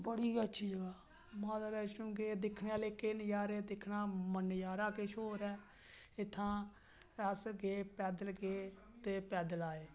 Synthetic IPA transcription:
bəɽiːətːʃʰiːd͡ʒəɡaː | mãːd̪aːlɛːt͡ʃũːɡeːd̪ɪkʰneːaːleːkɪnjaːɾeːd̪ɪkʰnaːmənjaːɾãːkɪʃʰoːɾɛː | ɪt̪ʰːãː | əsɡeːpɛːd̪əlɡeː | t̪eːpɛːd̪əlaːeː

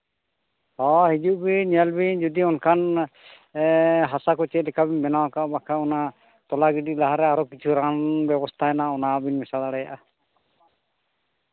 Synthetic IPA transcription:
hɔɦid͡ʒuʔbiɲɛlbid͡ʒud̪iɔnkʰan | ɦasakɔt͡ʃɛlɛkʰabɛmɛnawakaʔbakʰaɔna | t̪ɔlaɡiɖilaɦaɾɛaɾɔkit͡ʃʰuɾanbɛbɔst̪ʰaɛnaɔnabinmɛsad̪aɽɛja̰ʔa

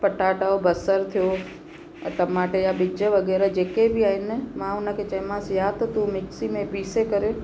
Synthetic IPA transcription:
pɐʈaːʈaːobʱɐsəɾt̪ʰijõ̰ | t̪ɐmãːʈejabɪd͡ʒəʋɐɡɛːɾəd͡ʑeːkebʱɪaːɦɪnɪ̆mãʊnə̆kʰet͡ʃɐɪ̃mãsjat̪ot̪umɪksimẽpiːsekɐɾe

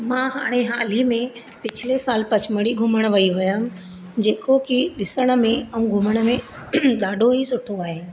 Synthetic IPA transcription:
mãːɦaːɽ̃eɦaːlimẽ | pɪt͡ɕʰɪlesaːlpɐt͡ɕməɽiɡʱʊməɽ̃ʋɐiɦʊjm̆ | d͡ʑeːkokiɗɪsəɽ̃ə̆mẽɐũɡʱʊməɽ̃ə̆mẽ | ɗaːɖʱoɦisʊʈʰoaːɦe

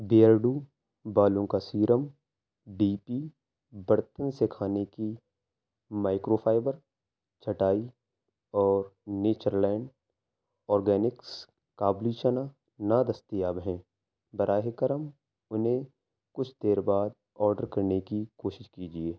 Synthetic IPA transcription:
beːəɾɖuː | baːlõkasiːɾəm | ɖiːpiː | bɐɾt̪ənsekʰaːneki | maːɪkɾoːpʰaːɪbəɾ | t͡ʃʰɐʈaːi | ɔːɾneːt͡ʃəɾlɛ̃ːɳɖ | ɔːɾɡɛːnɪks | kaːbliʃəna | naːd̪ɐst̪ijaːbɦɛ̃ː | bɐɾʔaːɦekəɾəm | ʊnɦẽ | kʊt͡ʃʰd̪eːɾbaːd̪̚ | ɔːɾɖəɾkɐɾnekikoːʃɪʃkiːd͡ʒieː

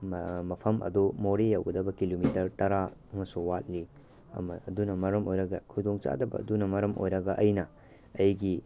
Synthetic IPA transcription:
mɐpʰɐmʔɐ̰dumoɾejawɡɐdɐbɐkilomitɐɾtɐɾaɐmɐsuwat̚li | ɐ̰mɐɐdunɐmɐɾɐmojɾɐɡɐkʰudoŋt͡ʃa̰dɐbɐ̰ːdunɐmɐɾɐmo̰jɾɐɡɐʔɐjnɐ | ɐjɡi

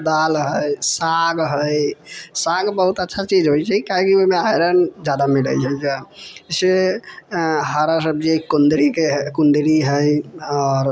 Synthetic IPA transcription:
d̪alɦəjsaɡɦəjsaɡbəɦut̪ətːʃʰat͡ʃid͡ʒɦojt͡ʃaikaɦẽkioɦmeaɾənd͡ʒad̪amiɽə̰t͡ʃʰɛd͡ʒase | ɦaɾas̬əb̚d͡ʒikund̪ɾikeɦkund̪ɾiɦəjɔːɾ

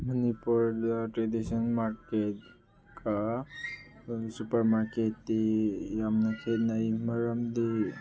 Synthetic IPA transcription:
mənipuɾdaʈɾedisɔnmaɾket̚ | kʰa | supəɾmaɾketːijamnakʰenajməɾamd̪i

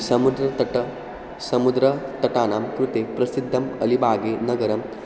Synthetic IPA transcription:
sɐmud̪ɾɐt̪ɐʈɐ | sɐmud̪ɾɐt̪ɐʈaːnaːmkɾut̪eːpɾɐsid̪ʱːɐmɐlibʱaːɡeːnɐɡɐɾɐm

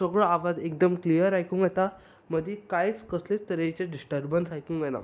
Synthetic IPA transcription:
səɡɭəaʋad͡zek̚d̪əmklijəɾajkuːŋɡjet̪a | məd̪ʱikajt͡skəslet̪əɾet͡ɕeɖisʈəɾbənsajkuːŋɡɛna̰

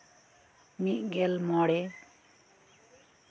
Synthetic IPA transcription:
miʔɡelmɔɽe

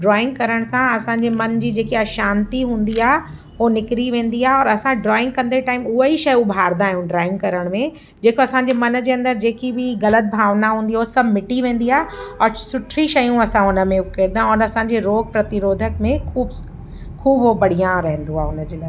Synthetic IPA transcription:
ɖɾɔːɪ̃ŋɡ̚kɐɾəɽ̃sãɐsãɲd͡ʑemɐnd͡ʑiːd͡ʑeːkiɐʃaːnt̪iɦũːnd̪iaːɦ | onɪkɾiʋẽːn̆d̪iaːɦeɔːɾɐsãɖɾɔːɪ̃ŋɡ̚kɐ̃nd̪eʈaːɪmʊɦəɦiʃɐjubʱaːɾd̪aːɦjũɖɾaːɪ̃ŋɡkɐɾəɽ̃mẽ | d͡ʑeːkoɐsãɲd͡ʑemɐnd͡ʑeːɐ̃nd̪əɾd͡ʑeːkibʱɪɣɐlət̪̚bʱaːʋnaɦũːnd̪iosɐbʱmɪʈiʋẽːn̆d̪iaːeɔːɾsʊʈʰɾiʃɐjũɐsãʊnə̆mẽʊkeɾd̪ãɔːɾɐsãɲd͡ʑeɾoːɡ̚pɾɐt̪ɪɾoːd̪ʱək̚mẽkʰuːb | kʰuːbobɐɽ̤ijãɾɛɦə̃nd̪uaːɦeʊnd͡ʑeːlaː

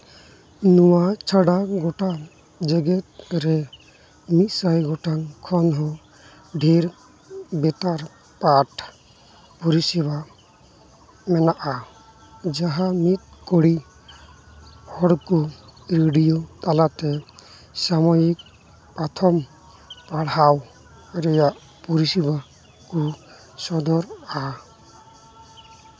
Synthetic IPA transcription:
nuwat͡ʃʰaɽaɡɔʈa | d͡ʒɛɡɛt̪̚ɾɛ | mit̪sajɡɔʈaŋkʰɔnɦɔ̃ | ɖʱiɾ | bɛt̪aɾ | paʈʰ | pɔɾisɛba | mɛnaʔa | d͡ʒaɦamit̪̚kɔɽi | hɔɽkuɾeɖijot̪alat̪ɛ | samɔjik̚ | pat̪ʰɔm | paɽ̤aw | ɾɛjaʔ | pɔɾisiba | ku | sɔd̪ʱɔɾa

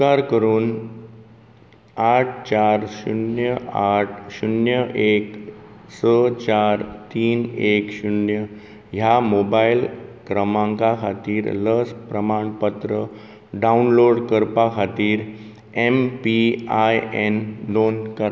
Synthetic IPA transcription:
aɾkəɾuːn | aʈʰt͡ɕaɾɕṵnjəaʈʰɕunjəʔeksət͡ɕaɾt̪iːnekɕunjə | jamobailkɾəmãŋkakʰat̪iːɾləspɾəmaɳpət̪ɾə | ɖaunloɽkəɾpakʰat̪iːɾ | empiajend̪onkəɾ

